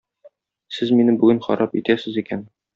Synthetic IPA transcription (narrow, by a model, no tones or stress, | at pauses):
sɘzminɘbʉɡɘnχɒ̰ɾʔɑpit̪æsɘ̆zikæn